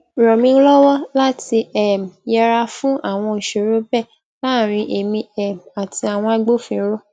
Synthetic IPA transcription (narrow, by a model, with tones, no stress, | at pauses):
ɾɔ̃˨mĩ˧˦lɔ˦wɔ˦la˦ti˧ʔɛ˨m˨jɛ˧ɾa˧fũ˦ʔa˦˨w̃ɔ̃˧i˨ʃe˨ɾo˨˦bɛ˦˨ | la˦˨ɾ̃ĩ˧ʔe˨mĩ˧ɛ˨m˨a˨ti˧a˨w̃ɔ̃˧a˧ɡ͡bo˦fĩ˧˦ɾɔ˦